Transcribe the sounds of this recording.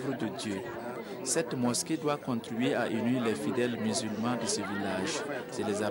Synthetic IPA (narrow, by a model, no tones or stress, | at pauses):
vɾəd̪əd̪jø | sɛt̪mɔsked̪wakɔ̃t̪ɾbɥiaʔynɥilɛfid̪ɛlmyzylmɑ̃d̪əsəvilaʒselɛza